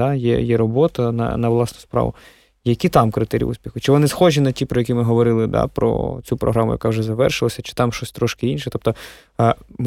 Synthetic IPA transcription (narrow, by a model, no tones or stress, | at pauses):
ajɛ̰jɛɾɔbɔt̪ɐnɐ̰nɐʋlˠɑsnʊspɾɑ̰ʋʊ̰ | jɐkʲit̪ɑmkɾɪt̪ɛɾʲḭṵsʲpʲixʊt͡ʃɪʋɔnɪsxɔʒʲinɐtʲipɾɔjɛkʲimɪɦɔʋɔɾɪlˠɪd̪a̰pɾɔ̰t͡sʲupɾɔ̰ɦɾamʊjɐ̰kɑwʐɛzɐʋɛrʃɪlˠɐsʲɐt͡ʃɪ̥t̪ɑmʃɔsʲt̪ɾɔʃkɪinʃɛt̪ɔp̚t̪ɔ | m